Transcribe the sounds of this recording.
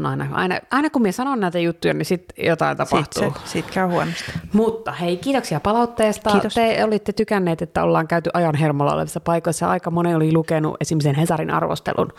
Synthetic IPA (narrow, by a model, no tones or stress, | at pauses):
nɑinɑʔɑ̰inɑ̰ʔɑinɑkumiesɑnonnæit̪æjut̪ːujɑ̰nisit̪jot̪ɑint̪ɑpɑht̪ṵːsiːt̪kæyhuɔnost̪mut̪ːɑheikiːt̪oksiɑpɑlɑut̪ːeːst̪ɑːt̪eolit̪ːet̪ykænːeːt̪et̪ːæo̰lːɑːŋkæyt̪yʔɑjɑnɦermolːɑ̰o̰lḛʋisːɑpɑikoisːɑɑ̰ikɑmoneolilukenṵʔesimːisenhesɑrinʔɑ̰rʋo̰st̪ḛlʔṵn